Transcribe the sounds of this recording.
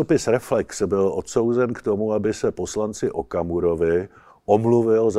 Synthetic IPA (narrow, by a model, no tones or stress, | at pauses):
opɪsɾɛflɛksbɪlʔot̪so̞wzɛnkt̪o̞muabɪsɛpo̞slant͡sɪʔokamuɾovɪ | ʔomluvɪlz